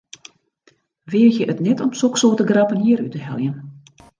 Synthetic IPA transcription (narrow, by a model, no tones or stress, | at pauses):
ʋɪəjəʔətnɛtʰɔmsoksoːtəɡrapənjiəɾytəɦɛlˠjən